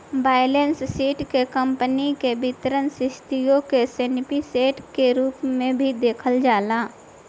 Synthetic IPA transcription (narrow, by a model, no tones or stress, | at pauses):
baːɪlenssiːʈkekə̃mpənikebɪt̪əɾənsɪʃt̪ijõkesenɪpiseːʈkeɾuːpmẽbʱid̪eːkʰəld͡ʒaːlaː